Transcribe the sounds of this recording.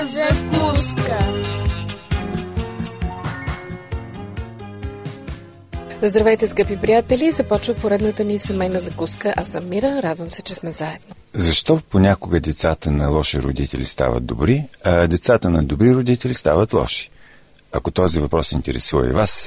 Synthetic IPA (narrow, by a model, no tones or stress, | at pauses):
zɐkuskə | zd̪ɾɐvɛjt̪ɛskɤpipɾijat̪ɛlʲizɐpɔt͡ʃvəpoɾɛd̪nət̪ənisɛmɛjnəzɐkuskəʔɐsɐmmːiɾəɾad̪vəmsɛt͡ʃɛsmɛzaɛd̪no | zɐʃt̪ɔponʲakoɡəd̪ɛt̪sat̪ənɐlˠɔʃiɾo̰d̪it̪ɛ̰lʲḭst̪a̰və̰d̪̚d̪o̰bɾiɐd̪ɛt̪sat̪ənɐd̪obɾiɾod̪it̪ɛlʲist̪avət̪lˠɔ̰ʃi̥ | ɐkot̪ɔzivɐpɾɔsḭnt̪ɛɾɛ̰suvə̰ḭvas